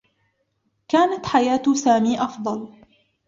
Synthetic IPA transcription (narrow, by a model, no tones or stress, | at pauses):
kaːnat̪ħajaːt̪saːmiːʔɑfd̪ˤɑl